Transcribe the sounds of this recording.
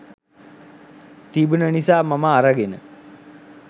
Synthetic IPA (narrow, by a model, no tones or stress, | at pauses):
t̪ibunənisaːmamaːɾaɡenə